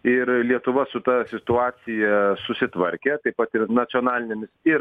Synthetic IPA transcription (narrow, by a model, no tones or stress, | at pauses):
ɪɾlʲiɛt̪ʊʋɐsʊt̪ɐsʲɪt̪ʊɑːsʲɪjɛsʊsʲɪt̪ʋɐɾʲkʲɛt̪ɐɪppɐt̪ɪɾnɐt͡s̪ʲɔnɑːlʲɪnʲɛmʲɪsiːɾ